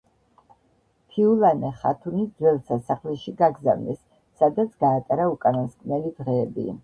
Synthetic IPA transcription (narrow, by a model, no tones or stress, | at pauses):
t̪ʰiulˠanɛχa̰t̪ʰunisd̪zwɛlˠsʰasaχlɛʃiɡaɡzavnɛsː | ad̪at̪sʰɡaːt̪ʼaɾaukʼananskʼnɛlid̪ʁɛːbḭ